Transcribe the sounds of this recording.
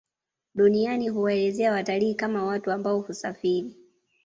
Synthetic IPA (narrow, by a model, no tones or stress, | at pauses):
ɗunianiɦuwaɛlɛzɛawataliːkamawatuambaɔhusafiɾi